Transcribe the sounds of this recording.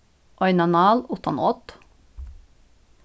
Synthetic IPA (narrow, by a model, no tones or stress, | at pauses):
ʔɔʏnɑnɑːlʊt̪ʰɔ̰n̰ːɔt̪